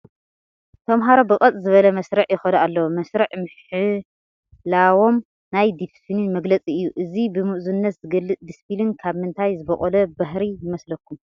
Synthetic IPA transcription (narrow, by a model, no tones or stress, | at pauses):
t̪ʰɐmɦaɾobɨkʼɐt͡sʼzɨβɐlɐmɐsɾɐʕjɪxɐnɐʔalːɐwomɐsɾɐʕmɨħɨ | lawo̞m | najd̪iffilinmɐɡlɐt͡sʼiɨjːuʔɨzibɨmɨʔzunːɐt̪zɨɡɐlːɨt͡sʼd̪ispilɨnkʰaβmɨnt̪ʰajzɨbɐχʼolɐbaɦɾijɪmɐslɐkːum